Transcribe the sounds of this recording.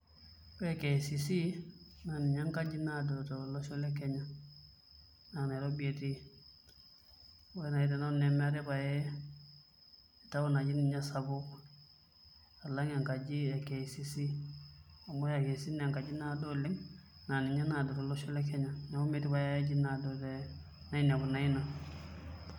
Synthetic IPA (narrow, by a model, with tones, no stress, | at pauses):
weke˨sisi˦na˨ni˨ɲa˦ŋka˦d͡ʒi˦nadotolo˦ʃo˦le˦kɛɲa | na˨ne˨ɾo˦bi˦e˨ti˦ | wena˨i˦t̬e˨na˦nɛ˨ma˦ɾi˦ba˨jɛ˨ | ta˦wo˦na˨d͡ʒi˦niɲa˦sabo | a˨la˦ŋa˨ŋka˨d͡ʒi˦ɛ˨ke˨si˦si˦ | a˨mo˦ja˨ke˨si˦nɛa˨ŋka˨d͡ʒi˦nadɔ˦li˦ŋna˨ni˨ɲa˦na˨dɔ˨tɔ˨lo˦ʃɔ˦lɛ˦kɛ˦ɲa˨na˦u˦me˨ti˦ba˨ja˦a˦d͡ʒi˦na˨dɔ˨tɛ | na˦i˦na˨ku˨na˨i˦na˨